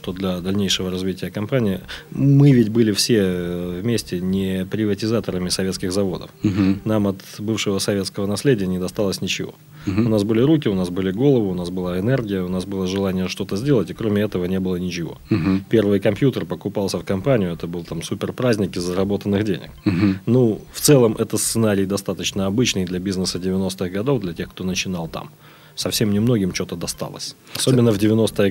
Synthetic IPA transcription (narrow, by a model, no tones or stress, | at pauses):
ʂt̪od̪lʲɐd̪ɐlʲnʲejʂɨvəɾɐzvʲitʲɪjəkɐmpanʲɪːmɨvʲɪtʲbɨlʲɪfsʲevmʲesʲtʲɪnʲɪpɾʲɪvətʲɪzat̪əɾəmʲɪsɐvʲe̞t̪skʲɪɣzɐvo̞d̪ə̰fnamɐt̪bɨfʂɨvəsɐvʲe̞t̪skəvənɐsʲlʲedʲɪjənʲɪd̪ɐst̪alˠəsʲnʲɪt͡ɕɪvo̞̰ | ʊnasbɨlʲɪɾukʲɪʊnasbɨlʲɪɡo̞lˠəvɨʊnasbɨlˠaɪnɛrɡʲɪjəʊnasbɨlˠəʐɨlˠanʲɪjəʂt̪o̞t̪əzʲdʲe̞lˠətʲɪkɾomʲɪɛt̪əvənʲebɨlˠənʲɪt͡ɕɪvo̞̰pʲe̞rvɨjkɐmpʲjut̪ərpəkʊpalˠsʲəfkɐmpanʲɪjʊɛt̪əbɨlˠt̪amsupʲɪrpɾazʲnʲɪkʲɪzəɾɐbo̞t̪ənːɨxdʲḛnʲɪ̰k̚nuft̪sɛlˠəmʔɛt̪əst̪sɨnaɾʲɪjd̪ɐst̪at̪ət͡ɕnəɐbɨt͡ɕnɨjd̪lʲɐbʲiznɨsədʲɪvʲɪno̞st̪ɨɣɡɐd̪o̞vd̪lʲɐtʲe̞xkt̪o̞nət͡ɕɪnalˠt̪a̰m | sɐfsʲemnʲɪmno̞ɡʲɪmt͡ɕo̞t̪əd̪ɐst̪a̰lˠə̰sʲ | ɐsobɪnːəvdʲɪvʲɪno̞st̪əjə